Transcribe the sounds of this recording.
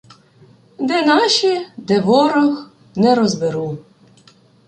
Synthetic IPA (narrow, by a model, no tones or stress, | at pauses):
d̪ɛnɑʃid̪ɛʋɔɾɔx | nɛɾɔzbɪɾu